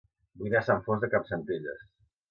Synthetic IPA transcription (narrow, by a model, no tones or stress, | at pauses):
bujðasaɱfozðəkapsənt̪iʎə̰s